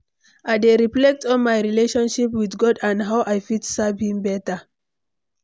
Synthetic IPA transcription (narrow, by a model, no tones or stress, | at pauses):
aɪdeɹiflɛk̚tʰɔ̃nmajɹileʃɔ̃nʃipwiθɡɔdãndɦawʔajfitsavhĩmbɛtə